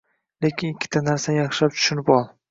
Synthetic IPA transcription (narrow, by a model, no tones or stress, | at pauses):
le̞kʲʰɪnɪkʲʰːɪ̥t̪ʰanaɾsajɑχʃlap̚t͡ʃ̪ʰʊ̥ʃʊnɪpɒlˠ